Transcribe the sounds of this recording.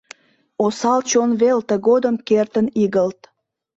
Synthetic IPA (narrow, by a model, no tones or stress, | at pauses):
osɑlt͡ɕonβelt̪ə̆ɣod̪əmkert̪əniɣəlt̪